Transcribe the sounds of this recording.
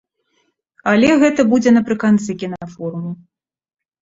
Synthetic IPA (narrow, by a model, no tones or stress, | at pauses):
ɐlʲɛɣɛt̪ɐbud͡zʲɛnɐpɾɨkant̪sɨkʲinaafɔɾumu